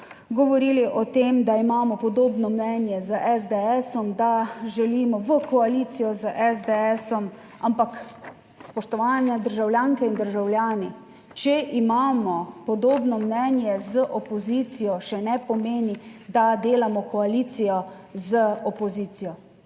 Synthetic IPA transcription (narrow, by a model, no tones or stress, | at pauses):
ɡɔʋɔɾiːliʔɔt̪eːmd̪aimaːmɔpɔd̪oːbnɔmnɛnjɛzəʔɛzd̪ɛɛsɔmd̪aʒɛliːmɔʋəkɔaliːt̪sijɔzəʔɛzd̪ɛɛsɔm | ampak | spɔʃt̪ɔʋaːnjɛd̪əɾʒawljaːŋkɛind̪əɾʒawlʲjaːni | t͡ʃɛʔimaːmɔpɔd̪oːbnɔmnɛnjɛzəʔɔpɔziːt̪sijɔʃɛnɛpɔmeːnid̪ad̪eːlamɔkɔaliːt̪sijɔ | zəɔpɔziːsijɔ